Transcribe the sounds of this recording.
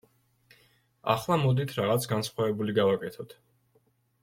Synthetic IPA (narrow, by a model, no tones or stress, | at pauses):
a̰χlˠamɔd̪it̪ʰɾaʁat̪sʰɡansχwavɛbuliɡavakʼɛt̪ʰɔt̪ʰ